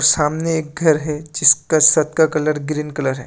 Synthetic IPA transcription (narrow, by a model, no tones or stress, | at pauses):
ɾsaːmneeːk̚ɡʱɐɾɦɛd͡ʒɪskasɐt̪kakɐləɾɡɾiːnkɐləɾɦɛ̰ː